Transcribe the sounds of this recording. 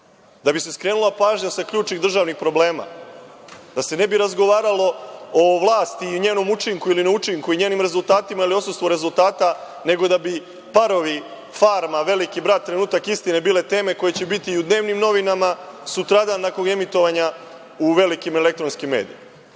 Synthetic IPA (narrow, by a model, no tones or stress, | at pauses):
d̪abise̞skɾe̞ːnulˠapaːʒɲasakʎuːt͡ʃniɣd̪r̩ʒaːʋnixpɾo̞ble̞ːma̰ | d̪̥ase̞ne̞biɾazɡo̞ʋaːɾalˠo̞oʋlˠaːst̪iɲe̞ːno̞mut͡ʃiŋkuilinaut͡ʃiŋkuiɲe̞ːnimɾe̞zulˠt̪aːt̪imailio̞sust̪ʋo̞ɾe̞zulˠt̪aːt̪a | ne̞ɡo̞d̪abi | paɾo̞ʋi | faːɾmaʋe̞likibɾat̪̚ːɾe̞nuːt̪akist̪inebiːle̞t̪e̞ːme̞ko̞je̞t͡ɕebit̪iːud̪ne̞ːʋnimno̞ʋinamasut̪ɾad̪ant̪akone̞mit̪o̞ʋaɲa | uʋe̞likimele̞k̚t̪ɾo̞nskimːe̞ːd̪ḭma